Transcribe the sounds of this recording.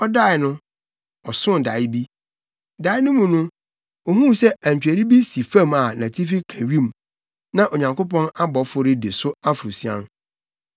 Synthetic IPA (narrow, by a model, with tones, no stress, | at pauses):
ɔ˦da˦˨ɪ˨nʊ̃˦ | ɔ˨sʊ̃˦n˨da˨ɪ˦bi˦ | da˨˦ɪ˦nʊ̃˦mũ˨nʊ̃˦ | o˨ɦũ˦sɛ˦æ̃˨ɲ˨t͡ɕᶣɛ˨ɾi˦bi˦si˨fã˦˨ma˨nã˨tʰi˦fi˦kʰã˨ɥĩ˦˨m | nã˦ʔo˨ɲã˨ŋko˦pʰɔ̃˦na˦bɔ˨fʊ˦ɾɪ˦de˨sʊ˦a˦fʊ˨ɾu˨si˦ã̰˦n